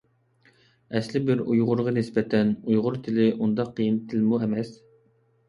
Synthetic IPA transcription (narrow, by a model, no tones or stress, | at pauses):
ɛslɪbɪɾujʁʊɾʁɑnɪsbɛt̪ʰɛnujʁʊɾt̪ʰɪlɪʔund̪ɑqʰːijɨnt̪ʰɪlmuɛmɛs